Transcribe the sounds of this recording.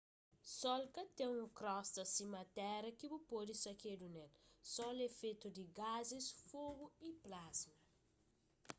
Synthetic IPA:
sɔlkɐt̪ẽũkɾɔst̪ɐsĩmɐt̪ɛɾɐkibupod̪isɐked̪unɛlsɔlefet̪ud̪iɡazisfoɡuiplazmɐ

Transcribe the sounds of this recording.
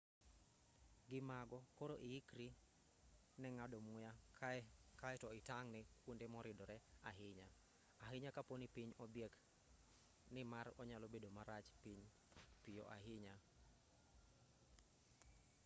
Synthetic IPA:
ɡɪmaɡɔkoɾoʔɪikɾi | nɛŋadomʊja | kaɛtɔɪtaŋnɪkwondemɔɾɪdɔɾɛaɦɪɲa | aɦɪɲakaponipiɲɔbjɛk | nɪmarɔɲalobedomaɾat͡ʃpiɲ | pijo̰ʔaɦɪɲa

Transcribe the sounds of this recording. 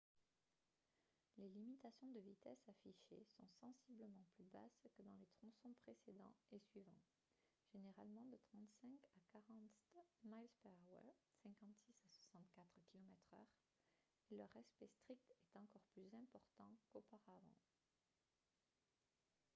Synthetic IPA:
lelimit̪asjɔ̃d̪əvit̪ɛsafiʃḛsɔ̰̃sɑ̃sibləmɑ̃plyba̰skəd̪ɑ̃let̪χɔ̃sɔ̃pχesed̪ɑ̰̃esɥivɑ̰̃ | ʒ̥eneʁalmɑ̃d̪ət̪χɑ̃t̪sɛ̃kakaʁɑ̃t̪majlspawɛ̰sɛ̃kɑ̃t̪sisaswasɑ̃t̪kat̪χkʲilɔmɛt̪χœ̰ʁ | elœʁɛspɛst̪χik̚t̪ɛt̪ɑ̃kɔʁplyzɛ̃pɔʁt̪ɑ̃kopaʁavɑ̰̃

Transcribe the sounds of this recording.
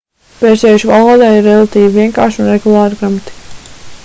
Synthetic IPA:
pɛːzʲɛjuʃvalˠoɔːd̪aːiɾːɛlˠat̪iːviviɛŋkaːɾʃunɾɛɡulˠaːɾiɡɾamat̪i̥

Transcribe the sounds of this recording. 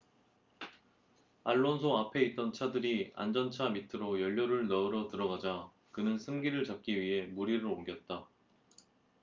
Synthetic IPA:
aɭːonsʰoapʰe̞it̚t͈ʌnt͡ɕʰadɯɾia̰nd͡ʑʌnt͡ɕʰamitʰɯɾojʌʎːoɾɯɭnʌɯɾʌtɯɾʌɡad͡ʑa | kɯnɯnsʰɯmɡiɾɯɭt͡ɕak̚k͈iɥiɦe̞muɾiɾɯɭoŋɡjʌt̚t͈a

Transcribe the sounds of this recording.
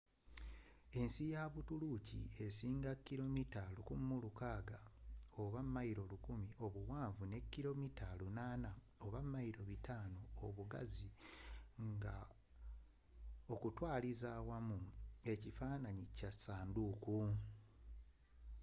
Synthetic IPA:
e̞nsijaβutulucḭe̞siːŋɡakːiɾo̞mitalukummulukaːɡaoβamːajiɾo̞lukumio̞βuwaːɱvune̞kːiɾo̞mitʰalunaːna | oβamːajiɾo̞βitaːnoːβuɡa̰zi | ŋɡa̰ | okutwaːlizawamue̞cifaːnaɲicasaːnduku

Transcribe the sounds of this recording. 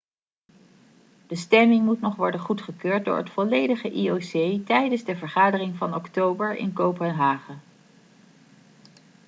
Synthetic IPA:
d̥əstɛmɪŋmutnɔχʋɔɹdənχutχəkøːɹt̚dʊ̰ːɹɦətfɔlejdəχəʔiosejtɛjdənzdəvəɹχaːdərɪŋvɑnɔktowbəɹɪ̰nkowpənɦaːχə

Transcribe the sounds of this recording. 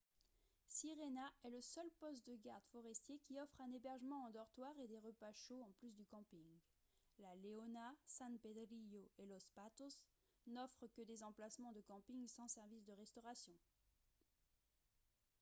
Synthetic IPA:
siʁenaɛləsœlpɔst̪̚d̪əɡaʁd̪fɔʁɛst̪jekʲiɔfχɛ̃nebɛʁʒəmɑ̃ɑ̃d̪ɔʁt̪waʁed̪eʁəpaʃoɑ̃plys̬d̪ykɑ̃piŋ | laleɔnasɛ̃nped̪ʁijoelɔspat̪os | nɔfχəkəd̪ezɑ̃plasmɑ̃d̪əkɑ̃piŋsɑ̃sɛʁvisd̪əʁɛst̪ɔʁasjɔ̃

